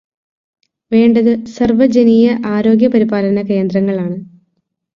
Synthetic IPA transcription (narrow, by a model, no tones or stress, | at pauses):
ʋe̞ːɳɖɐðɨsɐrʋɐd͡ʑɐniːjɐʔaːɾo̞ːɡjɐpɐɾibaːlɐnɐke̞ːnd̪rɐŋːɐɭaːɳɨ